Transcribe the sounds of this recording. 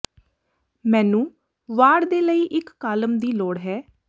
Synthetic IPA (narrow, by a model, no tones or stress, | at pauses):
mɛ̃ːnũː | ʋaːɽd̪eːləiːʔɪkːaːləmd̪iːloːɽɦɛː